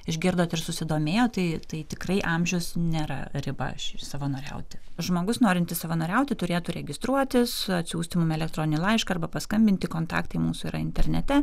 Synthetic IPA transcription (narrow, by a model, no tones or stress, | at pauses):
ɪʒʲɡʲɪɾd̪oːt̪ɪrsʊsʲɪd̪oːmʲeːjoːt̪ɐɪt̪ɐɪt̪ʲɪkrɐɪʔɑmʲʒʲɛʊsnʲeːɾɐ̰ɾʲɪbɐ̰ʃɪsɐʋɐnoːɾʲɛ̰ʊt̪ʲɪʒmoːɡʊsnoːɾʲɪnʲt̪ʲɪsɐʋɐnoːɾʲɛʊt̪ʲɪt̪ʊɾʲeːt̪uɾʲɛɡʲɪst̪ɾuɔt̪ʲɪsɐt̪ʲsʲuːsʲt̪ʲɪmʊmɛlʲɛk̚t̪ɾoːnʲɪnʲɪlˠɐɪʃkɐɐrbɐpɐskɐmʲbʲɪnʲt̪ʲɪkoːnt̪ɑ̰ːkt̪ɐɪmuːsʊiːɾɐɪnʲt̪ʲɛrʲnʲɛt̪ʲɛ